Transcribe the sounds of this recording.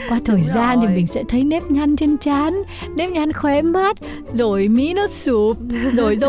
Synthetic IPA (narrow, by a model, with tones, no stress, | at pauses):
kwaː˧t̪ʰəː˨˩jzaː˧nt̪ʰi˨˩mï˨˩ŋ̟sɛ̰˧˥t̪ʰə˨˦jnɛ˦˥p̚ɲa˧nt͡ɕe˧nt͡ɕaː˨˦n | nɛ˦˥p̚ɲa˧nxwɛ˨˦ma˦˥t̚ | zo˨˩jmi˨˦no˦˥t̚su˧˩p̚zo˨˩jzo˨